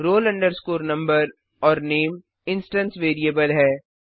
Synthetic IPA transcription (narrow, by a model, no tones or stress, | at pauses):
ɾoːlɐ̃ɳɖəɾskoːɾnɐ̃mbəɾ | ɔːɾneːm | ɪ̃nsʈə̃nsʋeːɾiəbəlɦɛː